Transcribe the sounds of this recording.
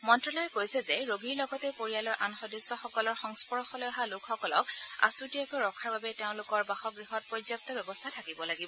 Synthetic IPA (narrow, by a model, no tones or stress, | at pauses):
mɔntɹɔlɔjɛkojsɛzɛɹoɡiɹlɔɡɔtɛpoɹijalɔɹʔanxɔdisːɔxɔkɔlɔɹxɔŋspɔɹɔxɔlɔjaɦalʊkʰxɔkɔlɔka̰suɹtijakɔɹɔkʰaɹbabɛteʊ̃lʊkɔɹbaxɔɡɹiɦɔt̚pɹɔzjap̚tɔbɛbɔstʰatʰakibɔlaɡibɔ